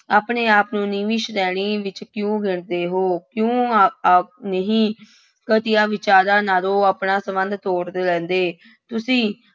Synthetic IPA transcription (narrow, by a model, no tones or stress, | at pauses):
aːpɳeːaːpnũːniːʋiʃɾɛːɽ̃iːʋɪt͡ʃkjõːɡɪɳd̪eːɦoːkjõː | nəɦĩː | kət̪ɪjaːʋɪt͡ʃaːɾaːnaːlõːaːpnaːsəmənd̪t̪oːɾd̪eːlɛ̃ːnd̪eː | t̪ʊsĩː